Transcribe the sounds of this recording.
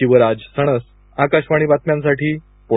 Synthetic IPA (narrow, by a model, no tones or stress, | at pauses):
iʋəɾad͡zsəɽ̃əs | akaɕʋaɽ̃iːbat̪mjãns̬aʈiː | po